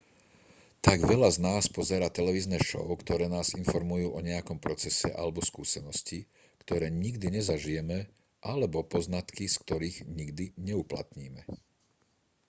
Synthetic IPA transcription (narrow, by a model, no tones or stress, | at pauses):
t̪aɡʋɛʎaznaːspɔzɛɾaːt̪ɛlɛʋiːznɛːʃɔ̰ʊkt̪ɔɾɛːnaːzinfɔɾmujuːʔɔɲɛjakɔmpɾɔt͡sɛsɛ̰ʔa̰lɛbɔskuːsɛnɔsci | kt̪ɔɾɛːɲiɡd̪iɲɛzaʒijɛmɛ | ʔalɛbɔpɔznat̪kisk̚t̪ɔɾiːɣɲiɡd̪iɲɛupla̰t̪ɲiːmɛ